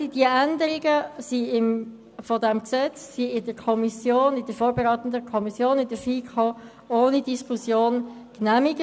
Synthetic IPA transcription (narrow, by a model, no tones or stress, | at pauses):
d̥iəʔænd̪əɾɪɡəsiɪm | fɔdɛmksɛt͡ssiɪdəɾkʰɔmisjoːnɪd̥əɾfoːɾbeʁaːt̪n̩dəkʰɔmisjoːnɪdəfiːkʰo | oːnid̥iskʰusjoːn | knæmɪɡə